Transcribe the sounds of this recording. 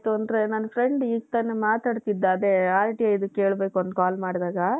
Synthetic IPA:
t̪uɐnd̪ɐɾe̞naːnɐfʰɾeɳɖiːɡt̪ɐnːemaːt̪aːɖt̪id̪ːaɐd̪eaːlʈiajid̪ukːeːɭbe̞ːkuond̪ukaːlmaːɽd̪aːɡɐ

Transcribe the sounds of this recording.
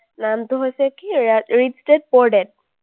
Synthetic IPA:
namtʊɦojsɛkiɹidsted̚pɔɹdɛd̚

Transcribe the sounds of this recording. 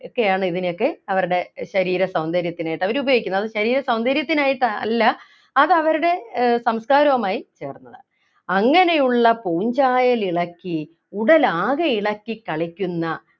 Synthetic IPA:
okːe̞jaːɳɨiðino̞kːe̞ɐʋɐɾuɽe̞ɕɐɾiːɾɐsɐwnd̪ʱɐɾjɐt̪ːinaːjiʈːɐʋɐɾubɐjoɡikʲːunːɐðɨɕɐɾiːɾɐsɐwnd̪ɐɾjɐt̪ːinaːjiʈːɐ̰lːɐː | ðɐʋɐɾuɽe̞sɐmskaːɾɐʋɐmaːjit͡ɕe̞ːrnːɐðɨ | ɐŋːɐne̞juɭːɐpoːuɲd͡ʑaːjɐliɭɐkːi | uɽɐlaːɣɐiɭɐkʲːikɐɭikʲːunːɐ

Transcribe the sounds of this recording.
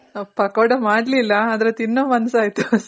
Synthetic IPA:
ɐpɐkoɽɐmaːɽlilːɐːd̪ɐɾet̪inːoːmɐnsaːjt̪u

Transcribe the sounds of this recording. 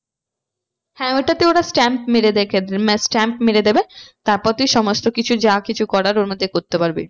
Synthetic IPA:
hɛ̃eʈat̪eoɾasʈɛmpmeɾed̪ekʰesʈɛmpmeɾed̪ebet̪aɾpɔt̪iʃɔmosʈokit͡ɕʰud͡ʑakit͡ɕʰukɔɽaɾoɾmod̪ʱːekoɾt̪epaɾbḛ

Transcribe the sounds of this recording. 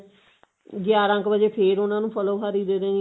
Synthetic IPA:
ɡɪjaːɾãːkbəd͡ʒeːpʰeːɾʊnãːnũːpʰəloːɦəɾiːd̪eːɾeː

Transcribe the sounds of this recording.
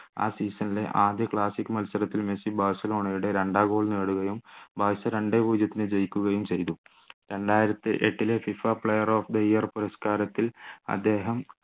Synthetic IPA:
a̰ːsiːsɐnilḛʔaːd̪jɐkɭaːsikːɨmɐlsɐɾɐt̪ːilmesibʱaːsɐlo̞ːɳɐjuɽe̞ɾeɳɖaːɡo̞ːɭneːɽuɣɐjumbʱaːʋisɐɾe̞ɳɖebuːd͡ʑjɐt̪ːinɨd͡ʑejkʲːuɣɐjumt͡ɕe̞jt̪u | ɾe̞ɳɖaːjiɾɐt̪ːɨʔeʈːilefifaːpɭɐjɐroːfd̪ɐijɐrpuɾɐskaːɾɐt̪ːilɐ̰d̪ːe̞ːɦɐm

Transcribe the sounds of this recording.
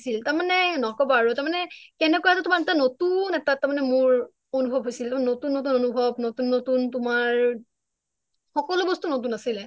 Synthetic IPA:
siltaɹmanɛnɔkɔbɔaɹutaɹmanɛkɛnɛkɔjatʊtʊmaɹɛtanotunɛtatːaɹmanɛmʊɹ | onubʱɔb̚ʱɦojsiltaɹmanɛnotunːot̬unonubʱɔbnotunːotuntʊmaɹ | xɔkɔlʊbɔstunotunasilɛ

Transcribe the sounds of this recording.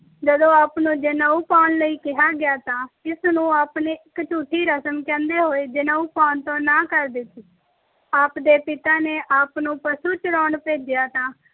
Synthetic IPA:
d͡ʒəd̪õːaːpnũːd͡ʒɪnaːuːpaːnləiːkɪɦaːɡɪjaːt̪ãːɪsnũːaːpneːɪkt͡ʃuːʈʰːiːɾəsəmkɛ̃ːnd̪eːɦoːeːd͡ʒɪnaːuːpaːnt̪õːnãːkəɾd̪ɪt̪ʰiː | aːpd̪eːpɪt̪aːneːʔaːpnũːpəsuːt͡ʃəɾɔːɳpeːd͡ʒɪjaːt̪ãː

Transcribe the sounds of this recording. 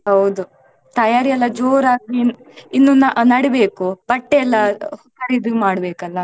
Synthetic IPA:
ɦɐwd̪u | t̪ɐjaːɾiɐlːɐd͡ʒoːɾaːɡɾi | inːunɐnɐɽebe̞ːkub̥ɐʈːeɛlːɐhsɐɾid̪imaːɽbeːkɐlːɐ

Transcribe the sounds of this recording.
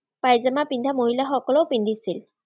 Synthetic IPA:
pajzamapindʱamoɦilaxɔkɔlɔwpindʱisil

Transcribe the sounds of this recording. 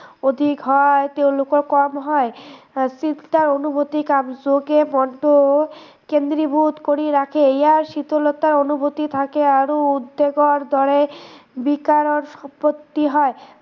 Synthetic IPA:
od̪ʱikɦɔet̪ewlokokɔmɦɔe | sit̪t̪aɾonubʱot̪ikabd͡ʑoɡemɔɳɖo | kend̪ɾibʱut̪koɾiɾakʰeejaɾʃit̪olot̪aɾonubʱot̪it̪ʰakeaɾoud̪ːeɡoɾd̪ʱɔɾebikaɾoɾʃɔpot̪ːiɦɔe

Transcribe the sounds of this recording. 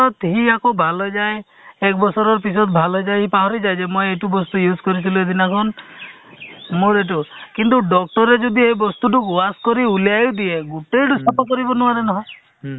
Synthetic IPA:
ɔt̪ɦiakobʱalɔd͡ʒaj | ek̚bɔsɔɾɔɾpisɔt̪bʱalɔd͡ʒajɦipaɦɔɾid͡ʒajd͡ʒemɔjeʈubɔst̪ujuskɔɾit̪ʰilued̪ʱinakʰɔn | muɾeʈ̬ukint̪uɖɔk̚ʈɔɾed͡ʒud̪ʱiebɔst̪uʈukuaskɔɾiuliajud̪ieɡuʈejɖusɔp̪ɔkɔɾibɔnuaɾenɔɦɔ̃

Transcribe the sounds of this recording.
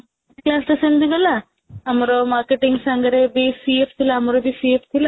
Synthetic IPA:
klaːst̪ɐsend̪iʋɐla | ɐmɐɾomaːɾkeʈiŋɡsɐŋɡɐɾebisieft̪ʰilɐɐmɐɾobisieft̪ʰila

